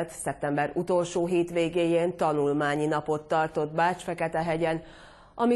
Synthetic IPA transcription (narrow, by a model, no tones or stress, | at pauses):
t̪sɛp̚t̪ɛmbɛɾut̪o̞lʃoːɦeːt̪ʋeːɡeːjeːnt̪ɒnulmaːɲinɒpo̞t̪ːɒrt̪o̞d̪baːt͡ʃfɛkɛt̪ɛɦɛɟɛn | ʔɒmi